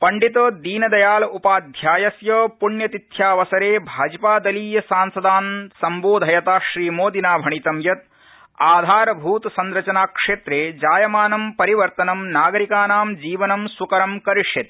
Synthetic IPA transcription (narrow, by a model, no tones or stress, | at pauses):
pɐɳɖit̪ɐd̪iːnɐd̪ɐjaːlɐupaːd̪ʱjaːjɐsjɐːpuɳjɐt̪it̪ʰjaːʋɐsɐɾeːbʱaːd͡ʒɐpaːd̪ɐliːjɐsaːnsɐd̪aːnsɐmboːd̪ʱɐjɐt̪aːʃɾiːmoːd̪inaːbʱɐɳit̪ɐmjɐt̪̚ | aːd̪ʱaːɾɐbʱuːt̪sɐnɾɐt͡ʃɐnaːkʂeːt̪ɾeːd͡ʒaːjɐmaːnɐmpɐɾiʋɐɾt̪ɐnɐmnaːɡɐɾikaːnaːmd͡ʒiːʋɐnɐmsukɐɾɐmkɐɾiʂjɐt̪